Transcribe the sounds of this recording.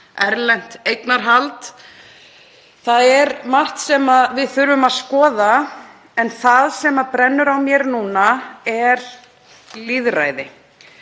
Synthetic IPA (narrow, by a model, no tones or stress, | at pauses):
ɛɾlɛn̥t̪ejk̪naɾɦalt̪ | θaðɛɾmarht̪sɛmaðvɪðθʏɾvʏmaðskɔːða | ɛnθaðsɛmapɾɛnːʏɾawmjɛɾnuːnaɛɾ̥ | liðra̰ːjðɪ